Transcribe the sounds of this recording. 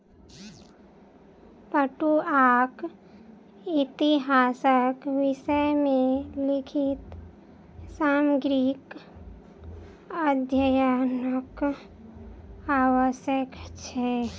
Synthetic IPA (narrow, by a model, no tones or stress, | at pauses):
pəʈuak | it̪iɦaːsəkʋɪʃəjmẽlɪkʰit̪ | saməɡɾik | əd̪ʱjəjanək | awəsjəkt͡ʃʰɛ